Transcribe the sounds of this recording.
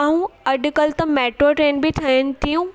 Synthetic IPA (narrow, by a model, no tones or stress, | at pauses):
ɦũɐɗ̆kɐlt̪ɐmɛːʈɾoʈɾeːnbɪtʰɐɦɪnɪ̆t̪ijũ